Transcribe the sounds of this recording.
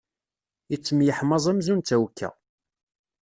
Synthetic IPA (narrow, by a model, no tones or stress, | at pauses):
it͡sːəmjəħmɑzˤæmzunt̪æwkːæ̰